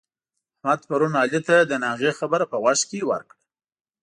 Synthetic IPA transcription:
ahmad̪paɾunɑlit̪ad̪ənɑɣexabəɾapəwaʃkewə̰ɾkɽa

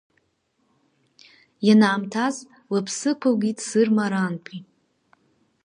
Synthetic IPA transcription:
janaːmtʰaz | lapʰsɨkʷʰalɡʲitʼsɨrmaɾanpʰi

